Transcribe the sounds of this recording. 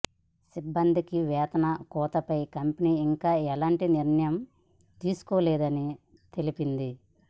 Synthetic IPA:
sibːɐnd̪ʱikiʋɛːt̪ɐnɐkɔːt̪ɐpɐjkɐmpɐniːiŋkaːɛlaːɳʈiniɾɳɐjɐm | t̪iːsu̥koːlɛːd̪ɐni | t̪e̞lipind̪i

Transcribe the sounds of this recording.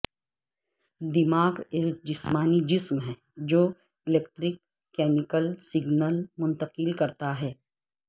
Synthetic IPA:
d̪ɪmaːɡeːk̚d͡ʒɪsmaːnid͡ʒɪsmɦɛ̃ː | d͡ʒoː | ɪleːk̚ʈɾɪkː | ɛːmɪkəlsɪɡnəlmʊ̃nt̪əqɪlkɐɾt̪aɦɛː

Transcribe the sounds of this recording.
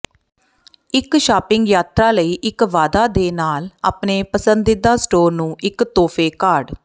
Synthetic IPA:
ɪkʃaːpɪ̃ŋɡjaːt̪ɾaːləiːʔɪkʋaːd̪aːd̪eːnaːlaːpneːpəsənd̪ɪd̪aːsʈoːɾnũːɪkt̪oːpʰeːkaːɖ

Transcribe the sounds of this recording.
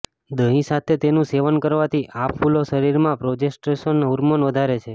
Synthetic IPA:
d̪ə̃ɦĩsat̪ʰet̪enũseʋənkəɾʋat̪ʰiʔapfuloʃəɾiɾmãpɾod͡ʒesʈɾeʃənɦuɾmənʋəd̪ʱaɾet͡ʃʰe

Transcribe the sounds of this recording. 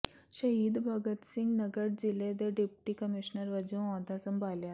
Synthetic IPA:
ɕəɦiːd̪bʱaɡət̪sĩŋɡnəɡəɽd͡ʑiled̪eɖipʈiːkəmiɕnəɾʋəd͡ʑĩɔ̃d̪ʱasəmbʱalja

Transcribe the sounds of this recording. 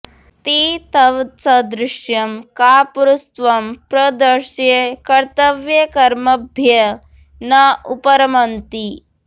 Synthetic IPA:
t̪iːt̪ɐʋt͡sɐd̪ɾɪʃjɐmkaːpuɾust̪ʋɐmpɾɐd̪ɐɾʃjekɐɾt̪ɐʋjekɐɾmɐbʱjɐ | nɐupɐɾɐmɐnt̪i

